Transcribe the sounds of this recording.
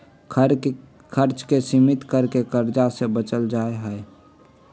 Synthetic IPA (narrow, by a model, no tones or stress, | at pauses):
kʰəɾt͡ʃkesimɪt̪kəɾkekəɾd͡ʒasebət͡ʃəld͡ʒaeɦɛe